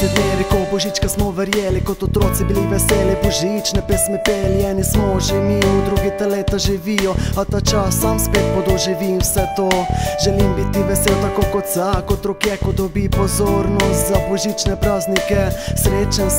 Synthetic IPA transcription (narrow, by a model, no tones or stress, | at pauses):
t̪ɛd̪meːɾikobɔʒit͡ʃkasmɔʋɛɾjeːlikot̪ɔt̪ɾoːt̪sibiliʋɛseːlibɔʒit͡ʃnɛpɛsmɛpeliɛnismɔʒimijud̪ɾuɡit̪aleːt̪aʒiʋijɔat̪at͡ʃasːamspeːt̪̚pɔd̪ɔʒiʋimwsɛt̪oʒɛlimbit̪iʋɛselt̪akoːkot̪zakot̪ɾokjɛkod̪ɔbipɔzoɾnɔst̪zabɔʒit͡ʃnɛpɾaːznikɛsɾeːt͡ʃan